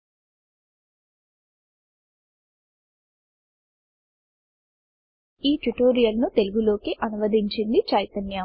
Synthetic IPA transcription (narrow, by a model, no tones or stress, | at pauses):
iːʈuʈoːɾijɐlnut̪e̞luɡulo̞ːkiʔɐnuʋɐd̪iɲt͡ʃind̪it͡ʃɐjt̪ɐnja